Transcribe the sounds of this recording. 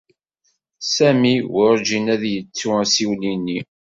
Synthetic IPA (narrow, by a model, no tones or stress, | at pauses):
sæmiwʊɾˤd͡ʒinæðjət͡sːuæsiwlinːi